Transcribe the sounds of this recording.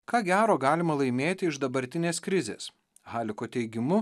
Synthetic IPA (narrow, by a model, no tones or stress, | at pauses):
kɑːɡʲæːɾoːɡɑːlʲɪmɐlˠɐɪmʲeːt̪ʲɪɪʒd̪ɐbɐɾʲt̪ʲɪnʲeːskɾʲɪzʲḛːs | hɑːlʲɪkoːt̪ʲɛɪɡʲɪmʊ